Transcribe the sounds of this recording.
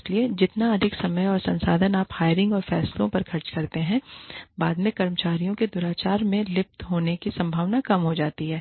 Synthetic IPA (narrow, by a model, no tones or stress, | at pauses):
slied͡ʒɪt̪naɐd̪ʱɪksɐməjɔːɾsɐ̃nsa̰ːd̪ʱənaːphaːjəɾɪ̃ŋɡɔːɾfɛ̰ːslõpɐɾkʰɐɾt͡ʃkɐɾt̪eɦɛ̃baːd̪mẽkɐɾmət͡ʃaːɾijõked̪ʊɾaːt͡ʃaːɾmẽlɪp̚t̪ɦoːnekisɐ̃mbʱaːʋnakɐmɦod͡ʒaːt̪iɦɛː